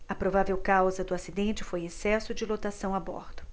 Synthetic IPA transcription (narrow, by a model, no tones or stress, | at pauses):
ɐpɾovavewkawzɐd̪ʊasid̪ẽnt͡ʃɪfojesɛsʊd͡ʒɪlot̪asɐ̃w̃abɔ̰ɾd̪ʊ̥